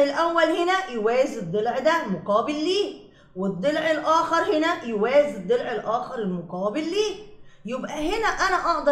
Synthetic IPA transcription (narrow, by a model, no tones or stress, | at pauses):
elʔæwːælhenæjowæːjezed̪ˤːelʕd̪ælmoqɑːbelːiː | wed̪ˤːelʕelʔæːxɑɾˤhenæjowæːjezed̪ˤːelʕelʔæːxɑɾˤelmoqɑːbelːiːjebʔæhenæʔænæʔɑʕd̪ˤɑ